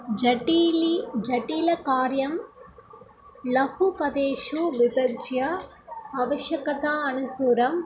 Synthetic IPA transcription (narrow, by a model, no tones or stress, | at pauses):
d͡ʒɐʈilid͡ʒɐʈːiːlɐkaːɾjɐm | lɐhupɐd̪eːʃuʋɪbɐt͡ʃjɐ | ɐːʋɐʃjɐkɐt̪aːɐnusuːɾɐm